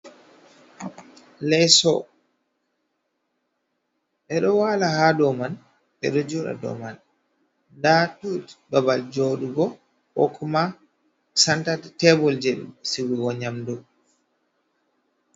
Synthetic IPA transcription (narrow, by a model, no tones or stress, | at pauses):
lɛsɔ | ɓɛɗɔwalahadɔman | ɓɛ̰ɗɔd͡ʒɔɗa̰dɔ̰man | datutbabald͡ʒɔɗuɡɔ | ʔɔ̰kʰɔma | santattɛbɔld͡ʒeɗḭsiwiɡɔɲamdu